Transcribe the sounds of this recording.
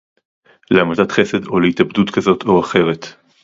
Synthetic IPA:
leamatdatχe̞se̞d̪o̞leitabdutkazo̞tʰo̞aχe̞ʁe̞t̪

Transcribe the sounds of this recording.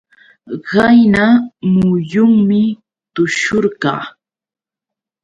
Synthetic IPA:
ɢɑjnamʊjʊŋmɪ | t̪ʊʃʊɾɢɑ̰ː

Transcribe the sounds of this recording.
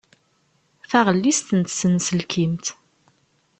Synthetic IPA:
θæʁəlːist̪ənt̪sənsəlkʰimt̪

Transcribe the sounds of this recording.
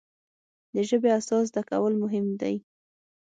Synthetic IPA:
d̪əʒəbeasɑzd̪aka̰wəlmʊɦɪmd̪a̰j

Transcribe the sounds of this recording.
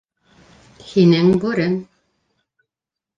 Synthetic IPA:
hinɘŋbʉɾɘn

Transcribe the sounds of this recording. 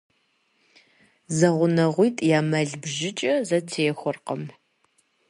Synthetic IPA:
zɐʁʷʊnɐʁʷijtʼjaːmɐɮbʒɪt͡ʃʼɐzɐtʰeːxʷʊrqəm

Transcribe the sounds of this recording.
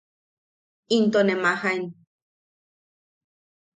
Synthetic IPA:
int̪onemahaen

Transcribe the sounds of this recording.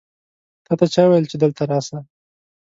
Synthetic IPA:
t̪ɑt̪at͡ʃɑwejəlt͡ʃed̪əlt̪aɾɑsa

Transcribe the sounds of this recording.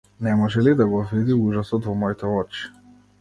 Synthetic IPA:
nɛmɔʒɛlid̪aɡɔvid̪iuʒasɔt̪vɔmɔjt̪ɛɔt͡ʃi̥

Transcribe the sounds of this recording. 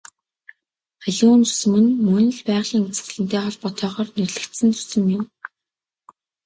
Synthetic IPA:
χæɮuːnt͡su̥sɘ̆mɘ̆nmɵnɘ̆ɮpæːʁɮiːŋut͡sɘ̥̆ɮɘ̆nt̪eːχɔɮpɔt̪ʰœːχɔːrnerɮɘ̆kt̪sɘ̆nt͡su̥sɘ̆mjɪn

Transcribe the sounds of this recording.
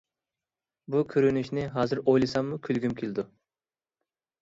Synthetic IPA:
bukʲʰyɾynyʃnɪɦɑːzɨɾojlˠɨsɑmːukʲʰylɡʲymkʲʰelɪd̪u

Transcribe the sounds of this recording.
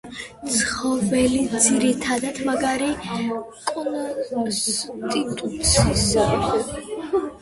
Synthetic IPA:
t̪sʰχɔvɛlid̪ziɾit̪ʰad̪ad̪̥maɡaɾi | kʼɔ | t̪ʼit̪ʼut̪sʰisɛ

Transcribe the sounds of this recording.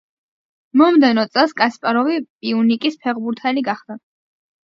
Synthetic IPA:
mɔmd̪ɛnɔt̪sʼɛlˠskʼaspʼaɾɔvipʼiunikʼispʰɛʁbuɾt̪ʰɛliɡaχd̪a

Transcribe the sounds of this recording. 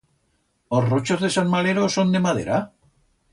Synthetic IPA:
ozrot͡ʃozðe̞sanmaleɾosond̪e̞mað̞ḛɾa

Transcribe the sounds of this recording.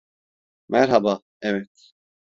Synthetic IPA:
mæɾɦaba | ɛvɛt̪

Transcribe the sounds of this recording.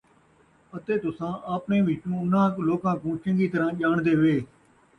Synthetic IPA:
ət̪eːt̪ʊsãːʔaːpnẽːʋɪːʈũːʊnãːkloːkãːkũːt͡ʃəŋɡiːt̪əɾãːʄaːɳd̪eːʋeː

